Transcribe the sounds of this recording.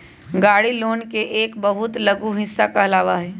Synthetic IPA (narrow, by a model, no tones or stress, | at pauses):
ɡaːɽiloːnkeʔeːkbɐɦʊt̪lɐɡuɦɪsːakaɐlaːʋaɦɛː